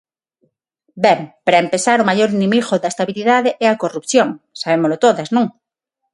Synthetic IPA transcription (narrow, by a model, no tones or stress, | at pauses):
bempɾaempesaɾomajoɾinĩmiɣoðaest̪aβiliðaðeʔɛakorupθjõŋsaβemolot̪oðaznõŋ